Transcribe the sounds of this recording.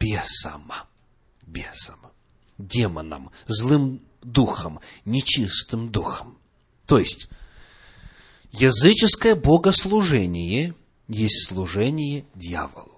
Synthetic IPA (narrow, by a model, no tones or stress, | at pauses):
bʲesɐ̰m | bʲesəm | dʲemə̰nə̰mzlˠɨm | d̪uxəmnʲɪt͡ɕist̪ɨmd̪uxəm | t̪ojɪsʲtʲ | jɐzɨt͡ɕɪskəjəboɡəslˠʊʐɛnʲɪjə | jesʲtʲslˠʊʐɛnʲɪjədʲja̰və̰lˠʊ